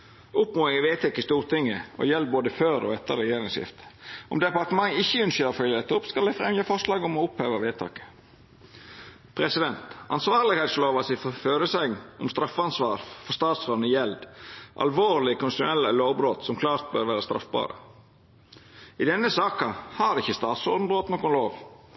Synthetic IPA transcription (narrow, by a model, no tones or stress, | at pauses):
ʊpmoːɪŋəʋeːt̪ʰɛkːəst̪uːɾt̪ʰɪŋːəɔ̰jɛld̪̚boːd̪əføːɾɔ̰ɛt̪ːə̰ɾɛjeːɾɪŋsjɪ̰ft̪ʔɔmd̪ɛpɑɾt̪əmɑŋːɪçːəʉnɕøːɾəfœljəɾɛt̪ːʊpskɑld̪æfɾɛmjəfɔʂlɑːɡɔmɔʊphøːʋɑʋeːt̪ʰɑ̰ːkə̥ | pʰɾɛsɪd̪ɛnt̪ɑ̰nsʋɑːɾlɪɡhɛɪt̪sloːʋɑsɪfføːɾəsɛɡʔɔmst̪ɾɑfːəɑnsʋɑːɾfɔst̪ɑːt̪soːd̪nəjɛld̪ʔɑ̰lʋoːɾlɪkʰʊnsʃɛlːəloːʋbɾoːt̪sɔmkʰlɑːɾt̪̚bœ̰ːɾʋæːɾəst̪ɾɑ̰fbɑ̰ːɾə̰ | ɪd̪ɛnːəsɑːkɑhɑdɪçːəst̪ɑːt̪sɔɾd̪n̩bɾoːt̪noːkʊnloːʋ